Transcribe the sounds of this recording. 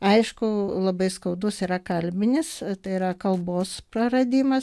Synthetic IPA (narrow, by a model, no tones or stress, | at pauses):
ɐɪʃkʊlˠɐbɐɪskɐʊd̪ʊsiːɾɐkɐlʲbʲɪnʲɪst̪ɐɪiɾɐkɐlˠboːspɾɐrɐd̪ʲiːmɐ